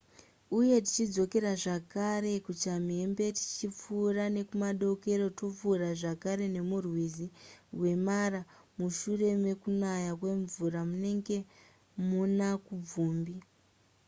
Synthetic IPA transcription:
uje̞ti̥t͡ʃid͡zo̞ke̞ɾaʐakare̞kut͡ʃamiembe̞ti̥t͡ʃip͡fuːrane̞kumaɗo̞ke̞ɾo̞to̞p͡fuːraʐakaɾe̞ne̞murwiziwe̞maɾa | muʃure̞me̞kunajak̬we̞ɱvuramune̞ŋɡe̞ | munakub͡vuːmbi

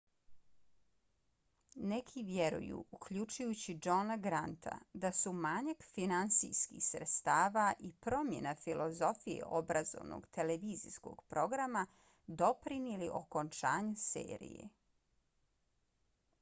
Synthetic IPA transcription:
nekʰiʋjeɾṵjṵukʎut͡ʃujut͡ɕid͡ʒonaɡɾant̪ʰa̰d̪asumaɲakfinansḭjskḭxsɾet̪st̪aːʋaʔipɾo̞mjenafilʔozo̞fijḛʔobɾazo̰ʋno̰ɡt̪ʰeleʋiːzḭsko̞̰ɡ̥pɾo̞ɡɾama | d̪o̞pɾinjeliʔo̞kont͡ʃaːɲesḛːɾḭjḛ

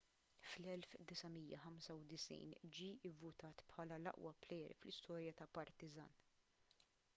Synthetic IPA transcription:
flɛlfd̪ɪsɐmijːɐħɐmsɐwd̪ɪsḭːnd͡ʒiːɪvːʊt̪ɐːt̪pħɐːlɐlɐ̰ʔwɐplɛjɾḭflɪst̪ɔːɾjɐt̪ɐpɐɾt̪ɪzɐ̰ːn

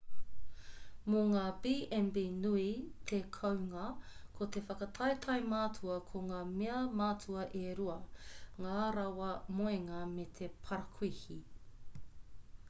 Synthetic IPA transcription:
moŋaːbiːʔɛmbinuit̪ʰekʰɐwŋɐkʰot̪efɐkɐtʰɐjt̪ʰɐjmaːt͡sʰuɐkʰoŋaːmeɐmaːt͡sʰuɐʔeɾuɐŋaːɾɐwɐmoeŋɐmet̪ʰepʰɐɾɐkʰihi

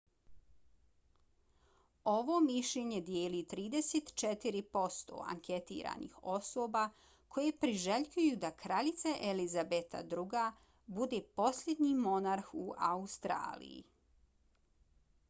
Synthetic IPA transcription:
o̞ʋo̞miʃʎe̞ɲe̞d̪jeːlit̪ɾiːd̪eset̪t͡ʃet̪iɾipo̞st̪o̞̰a̰ŋket̪ḭːɾa̰nḭxo̞soːba | kʰo̞jepɾiʒeʎʲkujud̪akɾaʎit̪saʔelizabet̪a̰d̪ɾuɡa | bud̪e̞po̞sʎʲed̪ɲimo̞naɾxuaust̪ɾa̰ːlḭjḭ

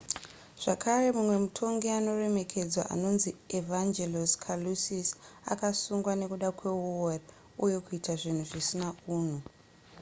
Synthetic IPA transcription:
ʐ̥akʰare̞mumwe̞mutʰo̞ŋɡiano̞re̞me̞kʰe̞d͡zwaʔa̰no̞nzievand͡ʒeloskʰalusisa̰kasuŋɡwane̞kuɗakwe̞uwori | uje̞kuitaʐin̤uʐisinauːn̤u

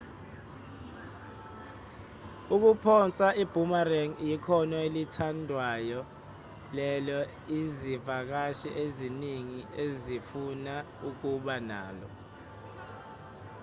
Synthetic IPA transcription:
uk̬upʰɔnt͡sʼaib̥ʱumarɛŋjikʰɔnɔelitʰandʱwajɔ | lɛlɔ | izivak̬aʃɛʔeziniŋiezifuna | uk̬uɓana̰ːlɔ̰

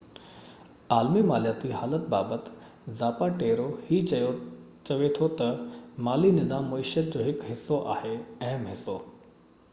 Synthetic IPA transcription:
aːlmimaːlijaːt̪iɦaːlət̪baːbət̪ | zaːpaʈeːɾohiːt͡ɕɐjo | t͡ɕɐʋet̪ʰot̪ɐmaːlinɪzaːmːɐɪʃət̪̚d͡ʑoːɦɪkɦɪsːoʔa̰ːheɐ̃ɦɪmɦɪsoː

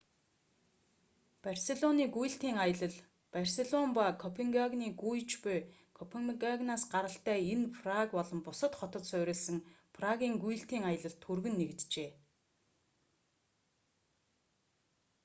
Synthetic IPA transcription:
parseɮɔniːɡuj̆ɬt̪iːŋajə̆ɮə̆ɮ | parseɮɔmpakʰɔpʰeŋɡaɣniːɡujt͡ɕpʊj | kʰɔpʰeŋɡaɣnaːsɢaɾə̆ɬt̪æːenpʰrakpɔɮɞ̆mpʊsə̆t̪χɔt̪ɞ̆t̪sœːɾʲɪ̆ːɮsə̆ŋpʰraɣʲiːŋɡuj̆ɬt̪iːŋajə̆ɮə̆ɮt̪ʰurɣɘ̆nːekt̪t͡ɕeː

